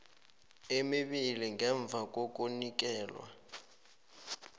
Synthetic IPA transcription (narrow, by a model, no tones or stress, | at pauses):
emiɓiliŋɡɛɱb̪vʱakʼok̬ʼunik̬ʼɛːlwa̰